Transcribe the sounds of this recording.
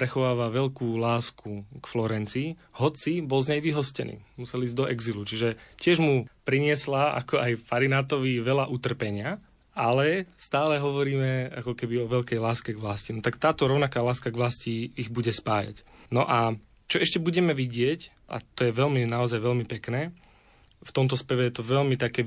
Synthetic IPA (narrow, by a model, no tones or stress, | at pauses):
pɾɛxɔʋaːʋaʋɛʎkuːlaːskukflɔɾɛnt͡si | hɔt͡sibɔlzɲɛjʋiɦɔscɛnḭːmusɛliːzd̪ɔʔɛɡzilut͡ʃiʒɛcɪɛʒmupɾiɲɪɛslaa̰kɔʔajfaɾinat̪ɔʋiʋɛlaʔut̪r̩pɛɲɪa | alɛst̪aːlɛɦɔʋɔɾiːmɛakɔkɛbiɔʋɛʎkɛjlaːskɛɡʋlascinɔt̪akt̪aːt̪ɔɾɔʊnakaːlaːskaɡʋlasciːɣbuɟɛspaːja̰c | nɔʔa | t͡ʃɔɛʃcɛbuɟɛmɛʋiɟɪɛc | ʔa̰t̪ɔjɛʋɛlminaɔzajʋɛlmipɛknɛː | ft̪ɔmt̪ɔspɛʋɛjɛt̪ɔʋɛlmit̪akɛː